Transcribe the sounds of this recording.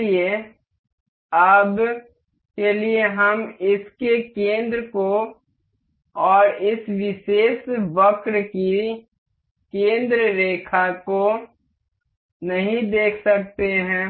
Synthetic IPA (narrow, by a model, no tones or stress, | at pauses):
ie | aːb | kelieɦɐmɪskekẽːnd̪ɾəko | ɔːɾɪsʋɪʃeːsʋɐkɾki | kẽːnd̪ɾəɾeːkʰako | nɐɦĩd̪eːkʰsɐk̚t̪eɦɛ̃ː